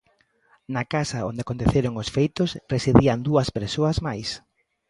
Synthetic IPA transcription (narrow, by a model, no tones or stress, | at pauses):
nakasɐo̰nd̪eakont̪eθeɾoŋosfejt̪osresiðiand̪uɐspeɾsoɐzmajs